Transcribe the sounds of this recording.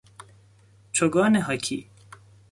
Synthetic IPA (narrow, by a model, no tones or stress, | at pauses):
t͡ʃʰoɡɔːneɦɐkʰḭ